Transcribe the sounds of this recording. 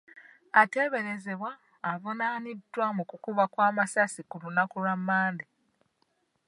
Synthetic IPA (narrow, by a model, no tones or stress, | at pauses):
ate̞ːβe̞ɾe̞ze̞βwaː | vonaːnidːwamukukuβakwaːmasasikulunakulamːaːndi